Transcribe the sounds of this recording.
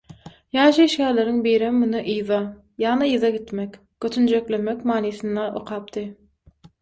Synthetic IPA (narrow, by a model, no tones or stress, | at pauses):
jɑːʃɯiʃkæːɾleɾiŋbijɾemːunɯʔɯjðɑ | jɑːnɑiðɑɡit̪mekʲ | køt̪ʰynd͡ʒeklemekʲmɑːniːθɯnd̪ɑʔo̰qʰɑːp̚t̪ɯ